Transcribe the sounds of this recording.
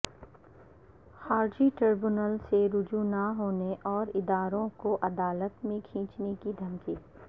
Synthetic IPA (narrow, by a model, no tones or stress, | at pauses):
xaːɾd͡ʒiʈəɾbʊnəlseɾʊd͡ʒunaɦoːneʔɔːɾɪd̪aːɾõkoʔɐd̪aːlət̪mẽkʰĩːt͡ʃnekid̪ʱɐmkiː